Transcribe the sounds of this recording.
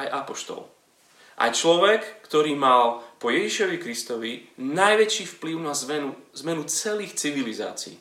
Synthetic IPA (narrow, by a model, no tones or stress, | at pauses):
ajʔapɔʃt̪ɔ̰l | ʔa̰jt͡ʃlɔʋɛkːt̪ɔɾiːmalpɔjɛʒiʃɔʋikɾist̪ɔʋinajʋɛt͡ʃiːfpliʊnazɛnuzmɛnut͡sɛliːxt͡siʋiliza̰ːt͡sḭː